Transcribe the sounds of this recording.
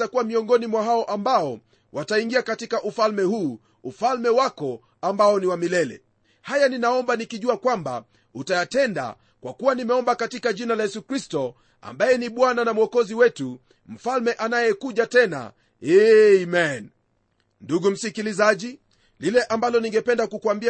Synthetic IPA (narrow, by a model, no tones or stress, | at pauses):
takuwamiɔŋɡɔnimwaɦaɔʔambaɔ | wataiŋɡiakatikaʔufalmɛhuː | ufalmɛwakɔ | ambaɔniwamilɛlɛ̰ | hajaninaɔmbanikiʄuakwamba̰ | utajatɛnda̰ | kwa̰kuwanimɛɔmbakatikaʄinalajɛsukɾistɔ | a̰mbajɛniɓwananamuɔkɔziwɛtu | m̩falmɛʔanajɛkuʄatɛna̰ | ɛmɛn | nduɡum̩sikilizaʄi | lilɛʔambalɔniŋɡɛpɛndakukuambi